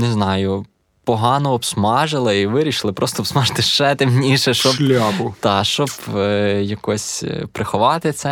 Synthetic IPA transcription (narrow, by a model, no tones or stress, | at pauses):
nɛznɑjʊ | pɔɦɑnɔːpsmɑʒɪlˠɐiʋɪɾʲiʃlˠɪpɾɔst̪ɔbsmɑʒt̪ɪʃt͡ʃɛt̪emnʲiʃɛʃt͡ʃɔblʲabʊt̪ɑʃt͡ʃɔbjɐkɔsʲpɾʔɪxɔʋɑt̪ɪt̪sɛ